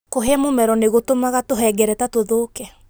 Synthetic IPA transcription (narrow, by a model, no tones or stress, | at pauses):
koɦeamomɛɾɔneɣotomaɣatoɦɛɡɛɾɛtatoðokɛ